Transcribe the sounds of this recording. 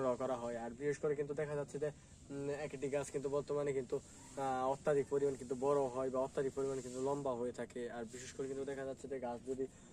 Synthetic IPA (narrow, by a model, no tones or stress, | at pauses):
ɽɔkɔɾaɦɔeaɾbiʃeʃkoɾekint̪̬ud̪ɛkʰad͡ʑatːɕʰed͡ʑe | ɛkʈiɡaskint̪ubɔɾt̪omanekint̪u | ɔt̪ːad̪ik̚poɾimankint̪̬ubɔɾoɦɔebaɔt̪ːad̪ik̚poɾimankint̪ulɔmbaɦojet̪ʰakeaɾbiʃeʃkoɾekint̪ud̪ɛkʰad͡ʑatːɕʰed͡ʑeɡasd͡ʑuɖi